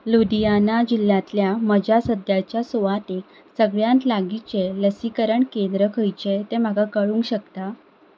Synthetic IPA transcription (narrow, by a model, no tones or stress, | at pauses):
lud̪ijanad͡ʑilːjãt̪ljaməd͡ʑasəd̪jat͡ɕjasoʋat̪ek | səɡɭjãnt̪laɡit͡ɕeləsikəɾəɳkend̪ɾəkʰəjt͡ɕet̪em̤aɡakəɭũːŋkɕəkt̪a